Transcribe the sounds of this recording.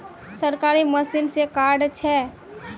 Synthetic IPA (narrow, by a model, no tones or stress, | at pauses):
səɾkaɾiməsinsekaɾɖt͡ʃʰɛ